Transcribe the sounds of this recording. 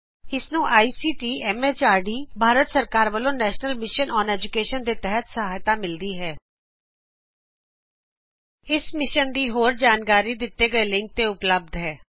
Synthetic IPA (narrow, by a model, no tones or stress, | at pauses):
ɪsnũːʔaːiːsiːʈiːɛːmeːt͡ʃaːɾɖiːbʱaːɾət̪səɾkaːɾʋəlõːnɛːʃnəlmɪʃənɔːnɛːd͡ʒʊkeːʃənd̪eːt̪ɛɦət̪səɦaːjt̪aːmɪld̪iːɦɛː | ɪsmɪʃənd̪iːɦoːɾd͡ʒaːnkaːɾiːd̪ɪt̪ːeːɡəeːlɪ̃ŋk̚t̪eːʊpləb̚d̪ɦɛː